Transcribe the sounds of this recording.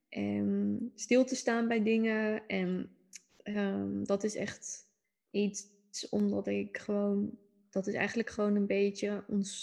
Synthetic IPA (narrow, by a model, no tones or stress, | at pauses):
ʔɛnstɪlˠtəstaːnbɛjdɪŋəɛn | əmdɔtɪsɛ̰χt | it | sɔmdɔtɪkχəʋown | d̥ɔtɪsɛ̰jχəndələkχəʋownənbejtəɔns